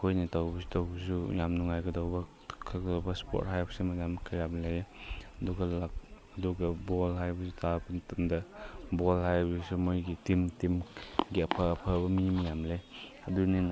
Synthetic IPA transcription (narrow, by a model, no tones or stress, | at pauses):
kʰojnitawbɐsu̥tawbɐs̬ujamnuŋajɡɐdɔwbɐ | kʰaɡdɔwbɐspɔ̰t̚hajbɐsimajamkʰajamlejduɡɐlak̚ɐduɡɐbɔlhajbɐsutabntamdabɔlɦajbisumojɡitimtimɡiɐpʰaːpʰabɐmiimjamlej | ɐdunin